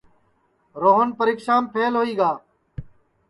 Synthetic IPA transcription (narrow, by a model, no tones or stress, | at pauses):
ɾoːɦənpəɾiːksaːmpʰeːlɦoːiːɡaː